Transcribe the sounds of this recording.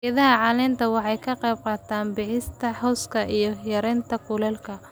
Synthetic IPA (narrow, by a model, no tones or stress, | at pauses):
jɐðɐɦɐʕɑːlɛːnt̪ʰɐwɑħɑjkʰɐqɛjb̚qɑːt̪ʰaːnbɪħɪst̪ʰɐhɔwskʰɐʔijɞjɐɾɛːnt̪ʰɐkʰʊlɛːlkʰɐ